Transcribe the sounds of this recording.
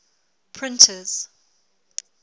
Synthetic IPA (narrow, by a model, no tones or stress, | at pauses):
pʰɹɪ̃ntʰəz̥